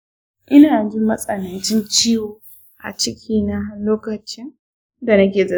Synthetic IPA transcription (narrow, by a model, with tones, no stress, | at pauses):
ʔɪ˦naː˨d͡ʒi˦mɐ˦sʼɐ˨nɐ˨nt͡ʃɪ˦nt͡ʃiː˦woː˨ | ʔa̰˨t͡ʃɪ˦kʲʰiː˦na˦ɦa˦loː˦kɐ˨t͡ʃɪ˦n | da˨nɐ˦kʲeː˨zɐ˨